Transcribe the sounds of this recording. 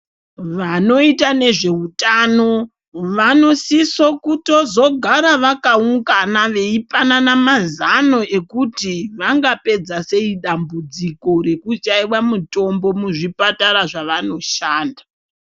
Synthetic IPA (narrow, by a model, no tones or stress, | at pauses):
ʋano̞itane̞ʐe̞utaːno̞ | ʋano̞siso̞kuto̞zo̞ɡʱaɾaʋakauŋɡanaʋe̞ipananamazano̞e̞kutiʋaŋɡape̞d͡zase̞iɗambud͡ziko̞ɾe̞kut͡ʃaiwamuto̞mbo̞muʐipataɾaʐaʋano̞ʃaːnda